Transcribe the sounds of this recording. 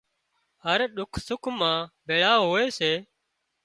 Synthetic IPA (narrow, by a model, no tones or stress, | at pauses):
ɦəɾɗʊkʰsʊkʰmãːɓʱeːɭaːɦoːeːseː